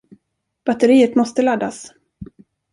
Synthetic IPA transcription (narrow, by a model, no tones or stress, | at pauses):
b̥at̪əɾiːət̪mɔst̪əlad̪as